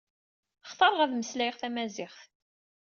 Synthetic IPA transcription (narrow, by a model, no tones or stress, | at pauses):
χθˤɑɾˤʁæðməslæjʁθæmæzɪχθ